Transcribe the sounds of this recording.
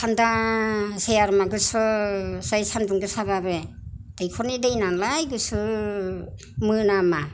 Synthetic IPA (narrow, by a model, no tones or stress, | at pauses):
sʰanda | sejaɾmaɡɯsɔsajsanduŋɡɯsaβabed̥ejkʰɔnidejnalajɡɯsɯ | mɯnama